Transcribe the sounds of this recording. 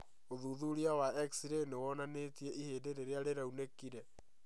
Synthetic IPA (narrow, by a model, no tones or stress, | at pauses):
oðuðuɾiawaɛksiɾenewɔnanetieʔiheːdeɾeɾeaɾeɾaunekiɾɛ